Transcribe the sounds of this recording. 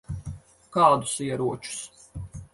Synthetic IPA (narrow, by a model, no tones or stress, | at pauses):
kaːd̪ʊsiɛɾuɔt͡ʃu̥s